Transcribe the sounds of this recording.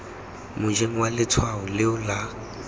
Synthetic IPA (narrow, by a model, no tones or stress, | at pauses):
mʊd͡ʒeŋ̩walɪt͡sʰwaʊlɪʊla